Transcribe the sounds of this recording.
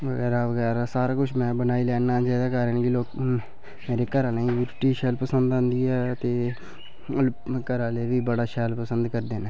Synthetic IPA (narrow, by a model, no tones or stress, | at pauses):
ʋəɡɛːɾaːʋəɡɛːɾaːsaːɾaːkʊt͡ʃʰmɛ̃ːbənaːiːlɛːnãːd͡ʒɛːd̪aːkaːɾənkɪloːk | meːɾeːkəɾãːneːĩjuːɾʈiːʃɛːlpəsənd̪ə̃ːnd̪iːɛːət̪eː | kəɾãːleːʋiːbəɽaːʃɛːlpəsənd̪kəɾd̪eːneː